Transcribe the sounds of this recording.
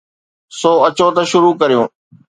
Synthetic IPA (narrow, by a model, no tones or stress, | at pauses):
soːɐt͡ɕoːt̪ɐʃʊɾuːkɐɾijõː